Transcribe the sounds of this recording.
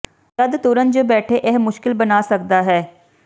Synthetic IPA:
t̪əd̪t̪ʊɾənd͡ʒoːbɛːʈʰeːʔɛːɦmʊʃkɪlbənaːsək̚d̪aːɦɛː

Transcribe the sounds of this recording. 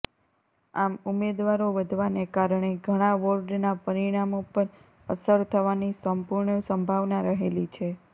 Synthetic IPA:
amumed̪ʋaɾoʋəd̪ʱʋaneɡaɾɳ̃eɡʱəɽ̃aʋoɾɖnapəɾiɽ̃amopəɾ | ə̰səɾt̪ʰəʋanisəmpuɾɳəsəmbʱaʋnaɾəɦelit͡ʃʰe

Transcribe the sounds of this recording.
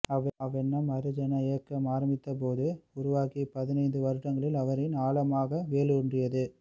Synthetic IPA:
ɐɐɐʋɛnːɐmɐɾɯd͡ʒɐnɐɪjɐkːɐmaːɾɐmbɪt̪ːɐp̬oːðɯʊɾʊʋaːkipɐðɪnɐɪnd̪ɯʋɐɾɯʈːɐŋɡɐɭɪlɐʋɐɾɪnaːɭɐmaːɣɐʋeːɭɯɔndrɪjɐðɯ

